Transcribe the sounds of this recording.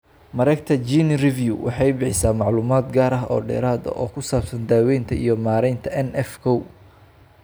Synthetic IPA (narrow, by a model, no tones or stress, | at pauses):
mɐɾɛkt̪ʰɐt͡ʃinrɪvjṵwʔɑ̰ħɑjbɪħɪsaːmɑʕluːmaːd̪ɡaːɾɐɦɔ̰ːɖɛ̰ːɾaːd̪ɐ̰ʔɔːkʰʊsaːb̥sɐnd̪aːwɛjnt̪ʰɐijɔmaːɾɛjnt̪ʰɐɛnɛfkʰɔw